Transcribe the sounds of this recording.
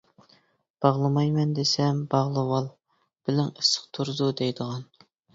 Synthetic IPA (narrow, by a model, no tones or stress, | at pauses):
b̥ɑʁlˠɨmɑjmɛnd̪esɛmbɑʁlˠɨwɑlˠ | b̥ɪlɪŋisə̥qt̪ʰuɾzud̪ɛjd̪əʁɑn